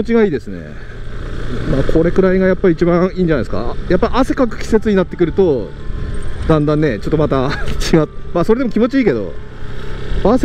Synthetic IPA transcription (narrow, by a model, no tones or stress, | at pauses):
ot͡ɕiɡaiːd̪e̞sɨne̞̰ | maːkʰo̞ɾe̞kɯ̟ɾaiɡajapːait͡ɕibãiːɲd͡ʑanasɨ̥ka̰japːaiʔase̞kakɯ̟̥kʲi̥se̞t͡sɨɲ̟inat̪ːe̞kɯ̟ɾɯ̟t̪o̞ | d̪ãnd̪ãnːe̞t͡ɕo̞t̪ːo̞mat̪akʰiɡamaso̞ɾe̞d̪emo̞kʲimo̞t͡ɕiiːke̞d̪o̞̰ | pːaːse